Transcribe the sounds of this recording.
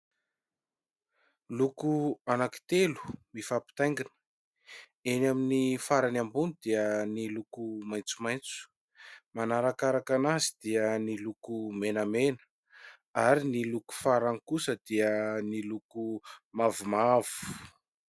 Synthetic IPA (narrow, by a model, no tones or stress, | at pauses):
lukuanaki̥t̪elu̥mifapi̥t̪ajŋɡinə̥ | enaminifaɾanambunid̪iənilukumaj̃nt͡sumajnt͡su̥ | manaɾakaɾakanazid̪̥iənilukumenəmenə̥ | aɾiniluku̥faɾaŋikusəd̪iənilukumavumav̥u̥